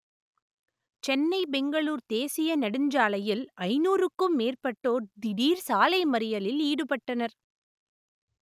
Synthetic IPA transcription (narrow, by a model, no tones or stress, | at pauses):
t͡ʃɛnːɐɪbɛŋɡɐɭuːɾt̪eːsɪjɐnɐɽɯɲd͡ʒaːlɐjɪlɐɪnuːrɯkːɯmːeːrpɐʈːoːɾd̪ɪɽiːɾsaːlɐɪmɐɾɪjɐlɪliːɽɯpɐʈːɐnɐɾ